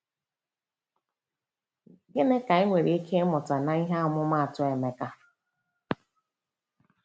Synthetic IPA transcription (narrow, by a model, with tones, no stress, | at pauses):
ɡɪ˦ne˦ka˨e˦ŋʷe˨ɾi˨i˦kʰe˦mʊ˨ta˨na˨i˦ɦa˦ʊ˦mʊ˦ma˦a˨tʊ˦e˨me˨ka˦